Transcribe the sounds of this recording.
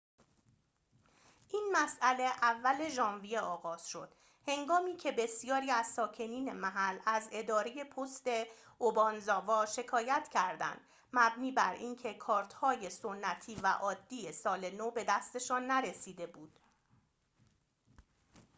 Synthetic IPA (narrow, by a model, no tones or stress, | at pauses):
ʔiːnmæsʔæle̞ʔævːæle̞ʒɒːnvije̞ɒːɣɒːz̥ʃo̞d̪̥ | he̞ŋɡɒːmiːcʰe̞be̞sijɒːɾiːæz̥sɒːcʰe̞niːne̞mæɦælæze̞d̪ɒːɾe̞je̞pʰost̪e̞obɒnzɒːvɒːʃe̞kʰɒːjæt̪ʰcʰæɾd̪æ̰nd̪̥ | mæbniːbæɾiːncʰe̞kʰɒːɾt̪hɒːje̞so̞nːæt̪ʰiːvæ̰ʔɒːd̪ːiːje̞sɒːlenobe̞d̪æst̪e̞ʃɒːnːæɾe̞siːd̪e̞buːd̪̥